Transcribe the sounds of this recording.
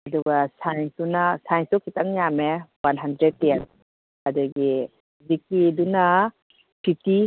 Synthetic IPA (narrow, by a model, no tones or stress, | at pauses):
ɐdɔɡasajnsunasajnsɔkʰitaŋjamewanɦandɾeten | adaɡi | zik̚iduna | pʰiti